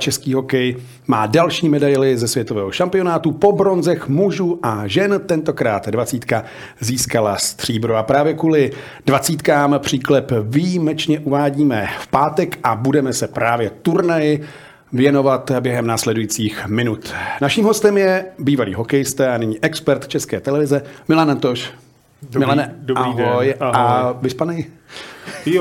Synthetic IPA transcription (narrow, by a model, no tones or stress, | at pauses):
t͡ʃɛskiːɦo̞kɛj | maːdalʃiːmɛdajlɪzɛsvjɛt̪o̞vɛːɦo̞ʃampɪo̞naːt̪upo̞bɾo̞nzɛxmuʒuːʔaʒɛnt̪ɛnt̪o̞kɾaːt̪dvat͡siːt̪ka | ziːskalast̪r̝̥iːbɾuapɾaːvjɛkuːlɪ | d̥vat͡siːt̪kaːmpr̝̥iːklɛpvijimɛt͡ʃɲɛʔuvaːɟiːmɛfpaːt̪ɛkʔabudɛmɛsɛpɾaːvjɛt̪uɾnajɪ | vjɛno̞vat̪bjɛɦɛmnaːslɛdujit͡siːxmɪnut̪naʃiːmɦo̞st̪ɛmjɛbiːvalḭːɦo̞kɛjɪst̪ɛːanɪɲiːʔɛkspɛɾt̪t͡ʃɛskɛːt̪ɛlɛvɪzɛmɪlanant̪oʃ | mɪlanɛdoʔaiɦojavɪspanɛj